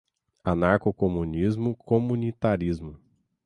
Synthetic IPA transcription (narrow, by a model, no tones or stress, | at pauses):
ɐnaɾkokomũnizmʊkomũnit̪aɾizmʊ